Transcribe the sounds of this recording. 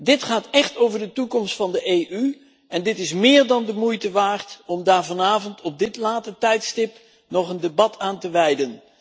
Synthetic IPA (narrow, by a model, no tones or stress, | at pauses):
dɪtχaːtɛχtowvəɹdətukɔmstfɑndəʔejʔy | ɛndɪtɪsmɪːɹdɑndəmujtəʋaːɹtɔmdaːɹvɑnaːvɔntɔb̚dɪtlaːtətɛjtstɪp | nɔχəndebɑtʰaːntəʋɛjdən